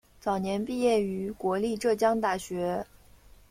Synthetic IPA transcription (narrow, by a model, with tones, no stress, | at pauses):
t͡sɑ˨˩ʊnjɛ˧˥npi˥˧jɛ˥˩y˧˥kwɔ˧˥li˥˧ʈ͡ʂɤ˥˩t͡ɕjɑ˥ŋt̪a˥˩ɕɥɛ˧˥